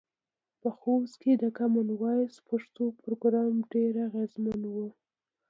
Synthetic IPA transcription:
pəxosked̪əkamanwɑjspaʂt̪opɾoɡɾɑmɖeɾaɣezmanwu

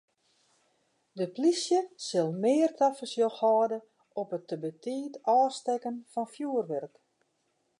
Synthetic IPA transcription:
dəplisjəsɪlˠmɪːrtʰafəsjoxɔːdə | ɔpətːəbətʰiːtɔːstɛkənfɔnfjuərʋɛrk

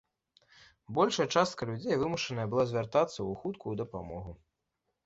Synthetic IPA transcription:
bɔlʲʂɐjɐt͡ʂast̪̚kɐlʲud͡zʲejvɨmuʂɐnɐjɐbɨlˠazʲvʲart̪at̪sːɐuxut̪kʰujud̪ɐpa̰mɔɣu

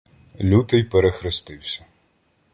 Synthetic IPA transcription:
lʲut̪ɪjpeɾexɾɪst̪ɪwsʲɐ̥

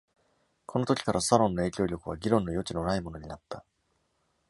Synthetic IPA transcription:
kʰo̞no̞t̪okʲi̥kaɾʔasaɾõ̞nːo̞e̞ːkʲo̞ːɾʲo̞kɯ̟βaɡʲiɾõ̞nːo̞jo̞t͡ɕino̞naimo̞no̞ɲ̟inat̪ːa

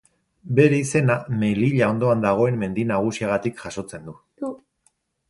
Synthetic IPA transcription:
be̞ɾe̞ise̞name̞liʎao̞nd̪o̞and̪aɣ̞o̞e̞mːe̞nd̪inaɣ̞usiaɣ̞at̪ikʝaso̞t͡se̞nd̪u

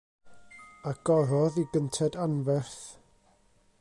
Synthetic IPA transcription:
aɡ̥ɔðɔðiɡəntʰɛdanvɛrθ

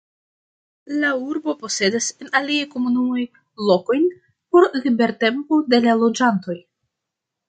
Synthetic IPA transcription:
lauɾbo̞po̞se̞dase̞naliajko̞munumo̞j | lo̞ko̞jn | po̞ɾlibe̞ɾte̞mpode̞lalo̞d͡ʒanto̞j

